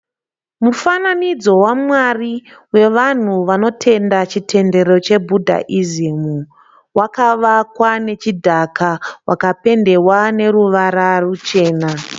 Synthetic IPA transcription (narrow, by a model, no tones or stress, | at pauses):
mufananid͡zo̞wamwariwe̞ʋan̤uʋano̞tʰe̞ndat͡ʃitʰe̞nde̞ɾo̞t͡ʃe̞bʱudʱa̰ʔizimu | wakaʋakwane̞t͡ʃidʱakʰawʔakape̞nde̞wane̞ɾuʋaɾarut͡ʃe̞ːna